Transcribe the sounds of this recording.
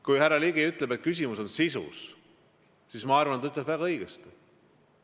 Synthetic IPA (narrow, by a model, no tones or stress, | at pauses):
kujhærːɑliɡiyt̪lebet̪̚kys̬ʲimuso̞nsisṵs | sismɑɑrvɑnt̪ɑyt̪ˑlebvæɡ̥ɑɤjɡ̥est̪